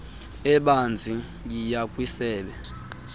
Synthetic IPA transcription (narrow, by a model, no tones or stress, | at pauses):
ɛɓand͡zʱi | jijakʼwisɛːɓɛ